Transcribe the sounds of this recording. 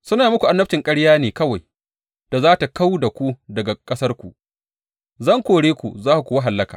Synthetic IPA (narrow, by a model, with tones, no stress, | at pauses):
sʊ˦naː˨mʊ˦kʷu˨ʔa˨nːɐ˦ɸ̚t͡ʃɪ˨ŋkʼɐ˦ɽjaː˦neː˨kɐ˦wa˨j | d̥a˨zaː˦ta˨ka˦wda˨kʷu˦dɐ˨ɡa˨kʼɐ˦sɐ˦rkʷu˨ | zɐ˦ŋkʷoː˨ɽeː˦kʷṵ˨zaː˦ku˨kʷu˨wa˦ɦa˨lːɐ˦kaː˨